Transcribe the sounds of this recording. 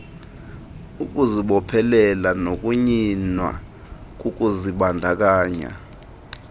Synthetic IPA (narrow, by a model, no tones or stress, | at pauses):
uk̬ʼuziɓɔpʰɛlɛlanok̬ʼuɲinwa̰ | k̬ʼuk̬ʼuziɓandʱak̬aːɲa̰